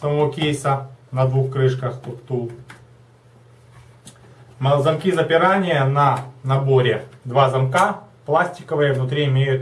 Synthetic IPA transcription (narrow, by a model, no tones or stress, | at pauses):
sɐmɐvokʲejsənɐd̪vuxkɾɨʂkəxst̪ʊkt̪ur | mzɐmkʲizɐpʲɪɾanʲɪjənɐnɐbo̞ɾʲɪd̪vazɐmkaplˠasʲtʲɪkəvɨjəvnʊt̪̬ɾʲiɪmʲejʊt̪